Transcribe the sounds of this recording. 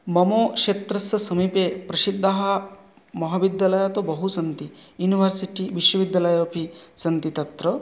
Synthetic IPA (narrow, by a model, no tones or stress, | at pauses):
mɐmoːkʂeːt̪ɾɐsɐsɐmipepɾɐʃid̪ːɐɦɐ | mɐɦɐbid̪jalɐjaːt̪obɐɦusɐnt̪ijuːniʋɐɾsiʈiʋiʃwɐʋid̪jalɐjɐpʰisɐnt̪it̪ɐt̪ɾɐ